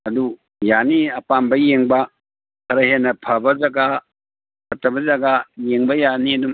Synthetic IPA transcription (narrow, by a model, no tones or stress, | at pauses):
ɐdu | janiɐpambɐjeŋbɐ | kʰɐɾɐɦenɐpʰɐbɐzaɡa | kɐtɐbɐzaɡajeŋbɐjaniɐdum